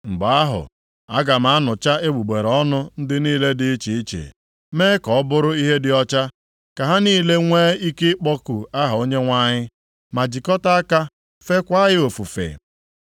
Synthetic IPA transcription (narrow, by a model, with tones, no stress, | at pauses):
ŋ͡m̩˨ɡ͡ba˨a˦ɦʊ̰˨ | a˦ɡa˨m̩a˨˦nʊ˨t͡ʃa˦e˦ɡ͡bu˨ɡ͡be˨ɾɔ˦nʊ˦n̩˦dɪ˦niː˦le˦dɪ˦t͡ʃi˨i˦t͡ʃḛ˨ | meː˦kɔ˨ɔ˦bʊ˦ɾʊ˦i˦ɦe˦dɪ˨ɔ˦t͡ʃa˦ | ka˨ɦa˦niː˦˨le˦ŋʷe˦i˦ke˦k͡pɔ˦ku˨a˦ɦa˨o˦ɲe˦ŋʷa˦ɲɪ˦ | ma˨d͡ʒi˨kɔ˦ta˦a˦ka˦ | fe˦kʷa˦ɣɪ˦o˨fu˨fḛ˨